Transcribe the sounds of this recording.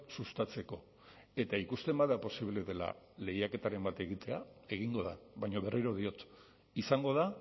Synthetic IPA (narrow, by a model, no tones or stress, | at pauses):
sust̪at͡se̞ko̞ | e̞t̪aikust̪e̞mbaðapo̞siβle̞ðe̞la̰le̞jake̞t̪aɾe̞mbat̪e̞ɣ̞it̪e̞ae̞ɣ̞iŋɡo̞ða̰βajɲoβe̞riɾo̞ð̞io̞t̪ | isaŋɡo̞ð̞a